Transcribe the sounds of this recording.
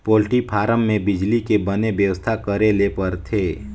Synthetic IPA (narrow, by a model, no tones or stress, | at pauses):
poːlʈipʰaːɾəmːẽbɪd͡ʒlikebənebjəʋəst̪ʰakəɾelepəɾt̪ʰeː